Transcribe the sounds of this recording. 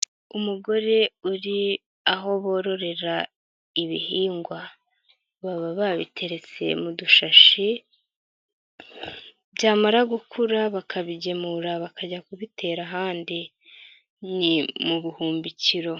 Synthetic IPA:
umuɡo̞ɾe̞uɾi | aɦo̞βo̞ːɾo̞ɾe̞ɾa | iβḭhiːŋɡwa | βaβaβaβḭtʰe̞ɾe̞t͡se̞̰muduʃaʃi | bɟaːmaɾaɡukʰuɾaβakʰaβiɟe̞muɾaβakaɟakuβitʰe̞ɾaɦaːndi | nimuβuhuːmbiciɾo̞

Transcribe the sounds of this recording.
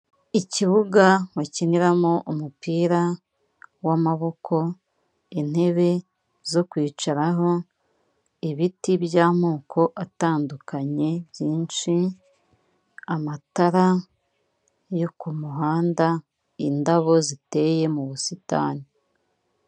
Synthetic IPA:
iciβuɡawaciniɾamo̞ʔumupiːɾa | wamaβo̞kʰo̞ | in̥e̞βe̞ | zo̞kwiːt͡ʃaɾaɦo̞ | iβitibjaːmuːkʰo̞ʔataːndukaɲe̞bjiːnʃi | amataɾa | jo̞kumuɦaːnda | indaβo̞zite̞je̞muβusita̰ːni

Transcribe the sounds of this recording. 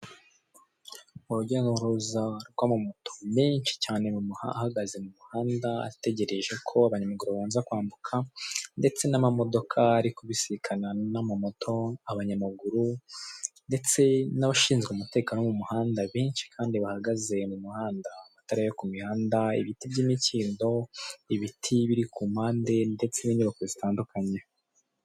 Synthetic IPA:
uɾuɟenoɾuzaɾɡwaːmamotʰo̞̥miːnʃi̥caːne̞mumhaahaɡaze̞mumuhaːndaa̰te̞ɟe̞ɾe̞ʒe̞kʰo̞aβaɲamaɡuɾuβaβaːnzakwaːmbukʰande̞t͡se̞namamo̞do̞kʰaːɾikoβisiɾikʰananamamo̞tʰo̞aβaɲamaɡuɾu | nde̞t͡se̞naβaʃiːnzɡeumute̞kaːnomumuhaːndaβiːnʃi̥kʰaːndiβahaɡaze̞mumuhaːndaβataɾajokumihaːndaiβitibɟiːmiciːndo̞iβitʰiβiɾikuːm̥haːnde̞nde̞t͡se̞niɲuβakozitaːndukʰaɲe

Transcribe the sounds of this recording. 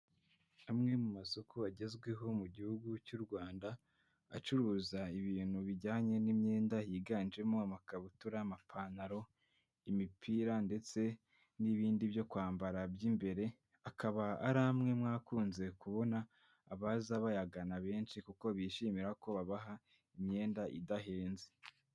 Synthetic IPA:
amŋe̞mumasokʰuaɟe̞zɡwe̞ɦo̞muɟihuɡucuɾɡwaːnda | a̰t͡ʃuɾuːzaiβiːn̥huβiɟaːɲe̞nimɲeːndajiɡaːnd͡ʒe̞moamakaβutuɾamapʰanaɾo̞ | imipʰiːɾande̞t͡se̞ | niβiːndiβjo̞kwaːmbaɾabjimbe̞ɾe̞ | akʰaβaaɾamŋe̞mŋaːkuːnze̞kuβo̞naː | βazaβajaɡanaβe̞ːnʃikuko̞βiʃiːmiɾako̞βaβaɦa | imɲe̞ːndaʔḭdaɦe̞ːnze

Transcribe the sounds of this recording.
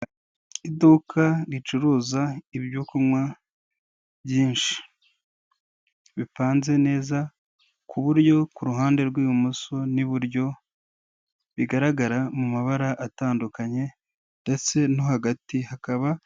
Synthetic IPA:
idukʰaɾit͡ʃuɾuːzaibjukumŋwa | bjiːnʃi̥ | βipaːnze̞ne̞ːza | kʰuβuɾɟo̞kuɾuɦaːnde̞ɾɡwiːjumusoniβuɾjo̞ | βiɡaɾaɡaɾamumaβaɾaʔataːndukaɲe̞ | nde̞t͡se̞no̞haɡatihakaβa

